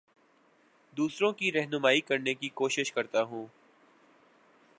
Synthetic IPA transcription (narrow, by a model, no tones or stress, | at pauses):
d̪uːsɾõkiɾɛɦnʊmaːikɐɾnekikoːʃɪʃkɐɾt̪aɦũː